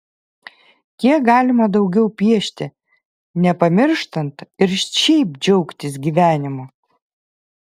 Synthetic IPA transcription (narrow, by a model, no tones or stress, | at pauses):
t̪ʲiɛk̚ɡɑːlʲɪmɐd̪ɐʊɡʲɛʊpʲiɛʃʲt̪ʲɪ | nʲɛpɐmʲɪɾʃt̪ɐnt̪ɪɾʃʲɛɪpd͡ʒʲɛʊkt̪ʲɪsɡʲiːʋʲæːnʲɪmo